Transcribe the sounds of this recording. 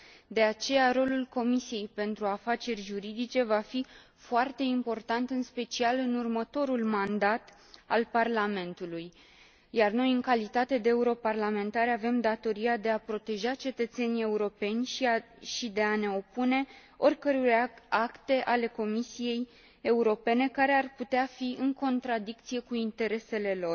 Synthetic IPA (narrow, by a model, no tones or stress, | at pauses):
d̪e̞at͡ʃe̞jaɾo̞lulko̞misije̞jpe̞nt̪ɾuafat͡ʃe̞rʲʒuɾid̪it͡ʃe̞vafi | foart̪e̞impo̞rt̪ant̪ɨnspe̞t͡ʃialɨnurmət̪o̞ɾulmand̪at̪ | alparlame̞nt̪uluj | jarno̞jɨŋkalit̪at̪e̞d̪eeuɾo̞parlame̞nt̪aɾeave̞md̪at̪o̞ɾiad̪e̞apɾo̞t̪e̞ʒat͡ʃe̞t̪ət̪se̞nije̞uɾo̞pe̞nʲ | ʃid̪e̞ane̞o̞pune̞ | o̞rʲkəɾurakt̪e̞ʔale̞ko̞misije̞j | e̞uɾo̞pe̞ne̞kaɾe̞arput̪eafiɨŋko̞nt̪ɾad̪ik̚t̪sije̞kuint̪e̞ɾe̞se̞le̞lo̞r